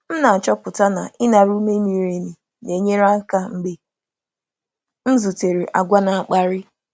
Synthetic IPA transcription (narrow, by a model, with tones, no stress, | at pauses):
m̩˦na˨a˨t͡ʃɔ˦pʊ˨ta˦na̰˨ʔɪ˦na˨ɾu˦me˦mi˨ɾe˨ni˨ | ne˨ɲe˦ɾa˦ka˦ŋ͡m̩˦ɡ͡be˨ | n̩˦zu˨te˨ɾi˨ʔa˨ɡʷa˦na˨a˨k͡pa˦ɾɪ˦